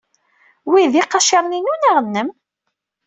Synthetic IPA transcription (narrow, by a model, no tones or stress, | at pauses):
wiðiqːɑʃɑɾˤninunæʁənːəm